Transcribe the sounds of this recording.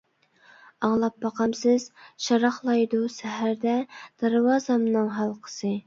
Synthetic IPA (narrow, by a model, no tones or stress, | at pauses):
ɑŋlˠɑp̚bɑqʰɑmsɨz̥ʃɑɾɑχlˠɑjd̪usɛɦæɾd̪ɛd̪̥ɑɾwɑzɑmnɨŋɦɑlˠqʰə̥sɨ